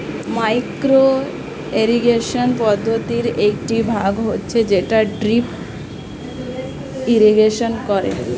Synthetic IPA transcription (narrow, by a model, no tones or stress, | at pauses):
majkɾo | eɾiɡeʃonpɔd̪ʱːot̪iɾekʈibʱaɡɦotːɕʰed͡ʑeʈaɖɾip | iɾiɡeʃonkɔɾḛ